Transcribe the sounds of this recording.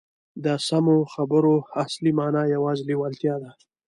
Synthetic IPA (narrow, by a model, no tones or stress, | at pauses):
d̪əsamoxabəɾoaslimanajawɑːzliwalt̪jɑd̪a